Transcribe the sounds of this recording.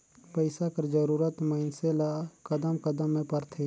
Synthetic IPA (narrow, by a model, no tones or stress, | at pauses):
pəɪsakəɾd͡ʒəɾuːɾət̪məɪnselakəd̪əmkəd̪əmːẽpəɾt̪ʰe